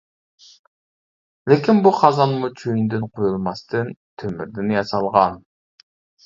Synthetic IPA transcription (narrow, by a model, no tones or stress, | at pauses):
lɪkʲinbuqʰɑzɑnmut͡ʃʰøjind̪ɪnqʰojulˠmɑst̪ɨnt̪ʰømɪɾd̪ɪnjɑsɑlˠʁɑn